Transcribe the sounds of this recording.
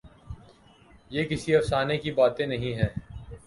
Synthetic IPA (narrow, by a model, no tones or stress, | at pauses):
jeːkɪsiɐfsaːnekibaːt̪ẽnɐɦĩɦɛː